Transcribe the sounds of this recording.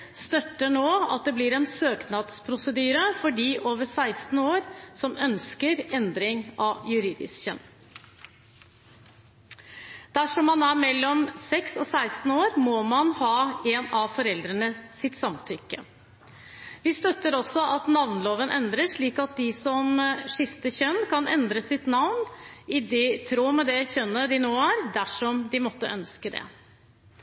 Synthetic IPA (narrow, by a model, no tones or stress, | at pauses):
st̪œt̪ːəɳoːɑ̰t̪̚d̪ɛblɪɾɛnsøːknɑd̪spʰɾʊsəd̪yːɾəfɔɖiːʔoːʋəʂæɪst̪n̩oːɾsɔmœnskəɾɛnd̪ɾɪŋʔɑjʉɾiːd̪ɪ̰skɕɛnː | d̪̥æʂɔmːɑnæɾmɛlːɔmsɛksɔsæɪst̪n̩oːɾmɔmɑnhɑːeːnɑʋfɔɾɛld̪ɾənəsɪt̪sɑmt̪ʰʏkːə | ʋɪst̪œt̪ːəɾɔsːɔʔɑt̪nɑʋnloːʋənʔɛ̰nd̪ɾəʂɭiːkɑt̪̚d̪ɪsɔmʂɪft̪əçœnːkʰɑnɛnd̪ɾəsɪt̪nɑʋnɪd̪ɛt̪ʰɾoːmɛd̪ɛçœnːəd̪ɪnoːæːɾd̪æʂɔmd̪ɪmɔt̪ːəʔœnskəd̪ɛ̰